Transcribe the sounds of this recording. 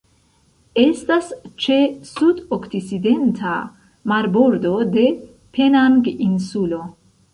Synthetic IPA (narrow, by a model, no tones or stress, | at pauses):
e̞stast͡ʃe̞sudoktit͡side̞ntʰa | maɾbo̞ɾdo̞de̞ | pʰe̞naŋɡinsulo̞